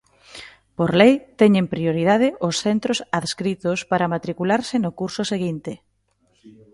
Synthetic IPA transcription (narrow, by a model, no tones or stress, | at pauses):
poɾlejt̪ɛɲempɾioɾið̞að̞ɪʔʊsθɛnt̪ɾosaðskɾit̪ʊspaɾamat̪ɾikulaɾsɪnʊkuɾsʊseɣint̪ɪ